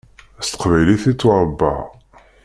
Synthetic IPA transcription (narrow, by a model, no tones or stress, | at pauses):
æst̪ə̥qvæjliθit͡sːʊɾˤəbːɑ̰